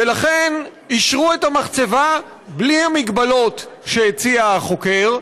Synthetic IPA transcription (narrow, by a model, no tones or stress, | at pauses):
velaχen | iʃʁuetamaχt͡se̞va | bliamiɡbalo̞tʃeet͡siaχo̞ke̞ʁ